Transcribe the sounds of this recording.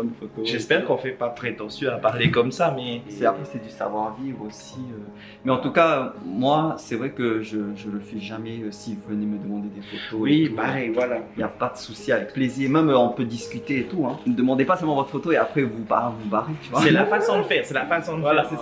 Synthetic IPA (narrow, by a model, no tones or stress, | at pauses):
bɔnfot̪oʒɛspɛʁkɔ̃fɛpapχet̪ɑ̃sjɔ̃apaʁlekɔmsamɛsɛapχɛsɛd̪ysa̰vwaʁvivʁosiø | mɛɑ̃t̪ukaømwasɛvʁɛkəʒəʒələfɛʒamɛøsivuvəneməd̪əmɑ̃d̪ed̪efot̪owipaʁɛjvwalailjapad̪əsusiavɛk̚pleziːʁmɛmøɔ̃pød̪iskʲyt̪eːt̪uɛ̃məd̪əmɑ̃d̪epasœlmɑ̃vɔt̪χə̥fot̪oeapχɛvupa̰vubaʁet̪yvwaɛlafasɔ̃d̪ləfɛːʁsɛlafasɔ̃d̪ləvwaɛlasɛ